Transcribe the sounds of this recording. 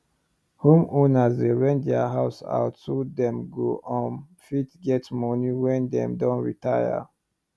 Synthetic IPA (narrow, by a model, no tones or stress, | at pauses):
hũmɔnazdeɹɛ̃ntdɛaɦaʊsa̰ʊtsudɛ̃mɡoʔɔ̃n | fitɡɛtmɔniwɛ̃ndɛ̰̃mdɔ̃nɹitʰajə̰